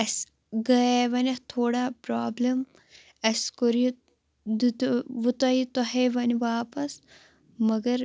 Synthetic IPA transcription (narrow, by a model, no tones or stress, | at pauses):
ɐs | ɡɐeʋɐnʲɐht̪ʰoːɽaːpɾaːblɐm | ɐsʲkoɾii | d̪it̪ʋut̪ɐit̪ɐɦeʋɐniʋaːpɐs | mɐɡɐɾ